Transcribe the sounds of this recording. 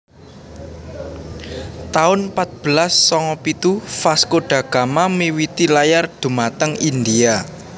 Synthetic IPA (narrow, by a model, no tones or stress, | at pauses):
t̪aʊnpat̪̚b̥əlasːɔŋɔpit̪ufaskoɖ̥a̤ɡ̥a̤mamiwit̪ilajard̪̥ṳmat̪əŋind̪ia